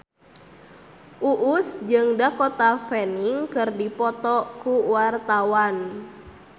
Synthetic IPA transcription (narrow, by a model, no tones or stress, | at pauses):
ʔuʔusd͡ʒɨŋdakɔt̪afɛniŋkɨrdipɔt̪ɔkuwart̪awan